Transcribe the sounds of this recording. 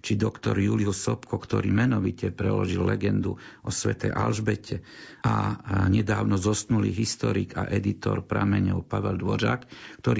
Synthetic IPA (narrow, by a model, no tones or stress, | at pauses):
t͡ʃid̪ɔkt̪ɔɾjuliusɔpkʰɔkt̪ɔɾiːmɛnɔʋicɛpɾɛlɔʒilːɛɡɛnd̪uɔsʋɛt̪ɛjʔalʒbɛcʰɛaɲɛd̪aːʊnɔzɔsk̪nuliɦist̪ɔɾiɡa̰ʔɛd̪it̪ɔɾpɾamɛɲɔʊpaʋɛld̪ʋɔʒaːkːt̪ɔɾi